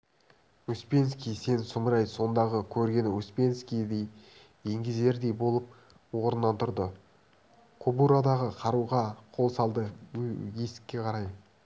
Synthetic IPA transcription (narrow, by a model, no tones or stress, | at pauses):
uspʲe̞nskʲijse̞nsʊmɾɑjso̞nd̪ɑʁəkʲʰɵɾɡʲe̞nɵspʲe̞nskʲijd̪ej | e̞ŋɡʲɪze̞ɾd̪e̞jbo̞lˠəp̚ | wo̞ɾənːɑnt̪ʰʊɾd̪ə | kʰobuɾad̪ɑʁəqʰɑɾuʁɑqʰo̞lˠsɑlˠd̪əje̞sɪ̥kʲːe̞qʰɑɾɑj